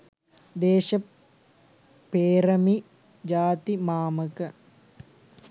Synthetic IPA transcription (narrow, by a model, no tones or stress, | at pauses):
d̪eːʃɐ | peːɾɐmi | d͡ʒaːt̪imaːməkə